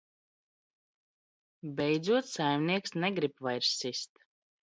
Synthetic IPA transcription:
bʲɛjd̪zuɔt̪sajmniɛksnɛɡɾipvajɾssist̪

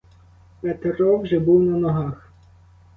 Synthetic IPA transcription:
pɛt̪eɾɔwʒɛbuwnɐnɔɦɑx

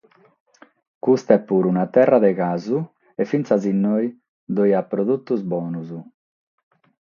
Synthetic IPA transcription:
kust̪ɛpːuɾunat̪ɛraðeɣazu | efint̪sazinːɔj | d̪ojapːɾoðut̪ːuzbɔːnuzu

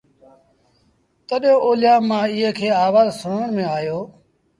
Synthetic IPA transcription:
t̪əɗjõːʔoːlɪjãːmãːiːɦə̃kʰeːaːʋaːzsʊəɳmẽːaːjoː

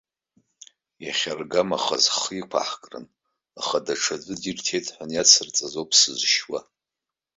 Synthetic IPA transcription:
jaχʲarɡamaχazχikʷʰa̰ħkʼrɨ̰n | aχadaʈ͡ʂʰat͡sʷʼɨdirtʰe̞jtʼħʷanjat͡sʰɨrt͡sʼazopʰsɨzʃwa

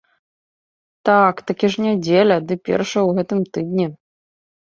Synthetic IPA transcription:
t̪akt̪akʲiʐnʲad͡zʲelʲɐd̪ɨpʲɛ̰rʂɐjwɣɛt̪ɨmt̪ɨd̪nʲɛ

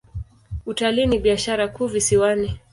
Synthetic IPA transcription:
utaliːniɓiaʃaɾakuːvisiwani

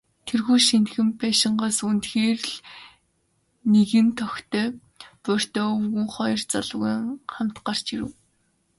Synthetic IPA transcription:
t̪ʰerɣuːʃinxɘ̆mpæːʃɪ̆ɴɢaːsunt̪xeːrɮ | neɣɘ̆nt̪ʰɔxt̪ʰœː | pʊr̥t̪œːɵwɣɘ̆ŋχɔjɞ̆rt͡sa̰ɮʊɣiːŋχam̥t̪ɢar̥t͡ɕiɾɘ̰̆w

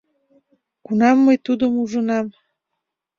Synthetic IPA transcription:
kunɑmːəjt̪ud̪əmuʒənɑm

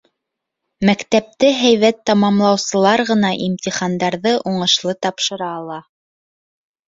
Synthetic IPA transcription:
mækt̪æp̚t̪ɘɦæjβæt̪ːɑmɑmlˠɑwsɤ̆lˠɑɾʁɤ̆nɑʔimt̪ʲiχɑnd̪ɑɾðɤʔuɴɤ̆ʃlˠɤt̪ɑpʃɤ̆ɾɑːlˠɑ

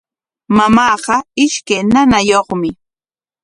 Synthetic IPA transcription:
mamɑːɢɑɪʃkajnanajoχmɪ

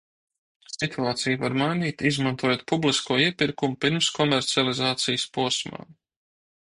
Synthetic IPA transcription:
sit̪ʰuaːt̪sijvaɾmajniːt̪izmant̪uɔjoːt̪̚publˠiskuɔiɛpiɾkumʊpiɾmskɔmɛɾt̪sialˠizaːt̪sijəspuɔsma̰ː

